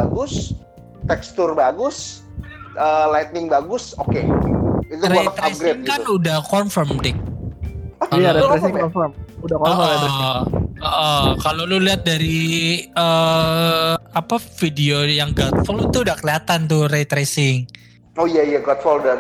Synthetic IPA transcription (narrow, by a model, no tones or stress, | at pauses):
aɡʊs | t̪ɛkst̪ʊrbaɡʊs | əlajt̪̚nɪŋbaɡʊsokeit̪uɾt̪ɾap̚ɡɾeŋɡikaunudahkɔnfərmdɪk̚ | kalaesɔnfəmudakɔə | əʔəkaloluliɦat̪̚daɾiə | apafideojaŋɡɔt̪̚fɔlut̪uudahkəliat̪ant̪ʊɾet̪ɾesɪŋ | oijaijaɡɔt̪fɔluda